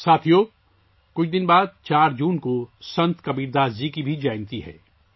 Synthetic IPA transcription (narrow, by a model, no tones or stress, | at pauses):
saːt̪ʰijoː | kʊt͡ʃʰd̪ɪnbaːd̪̚t͡ʃaːɾd͡ʒuːnkosɐ̃nt̪kɐbiːɾd̪aːzd͡ʒikibʱid͡ʒaːɪnt̪iɦɛ̰ː